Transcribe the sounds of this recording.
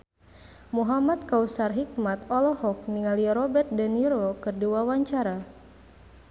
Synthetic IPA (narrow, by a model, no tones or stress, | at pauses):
muɦamat̪̚kausarɦik̚mat̪ɔlɔhɔk̚niŋaliɾɔbɛt̪̚daniɾɔkɨrduawaɲt͡ʃaɾa